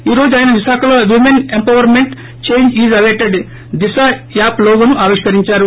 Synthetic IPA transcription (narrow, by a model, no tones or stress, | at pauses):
iːɾo̞ːd͡ʒuaːjnɐʋiʃaːkʰɐloːʋimenempɐʋɐɾmeɳʈ | t͡ʃe̞jɲd͡ʒiːzɐʋeːʈeɖ | d̪isajaːploːɡɐnuʔaːʋiʂkɐɾiɲt͡ʃaːɾu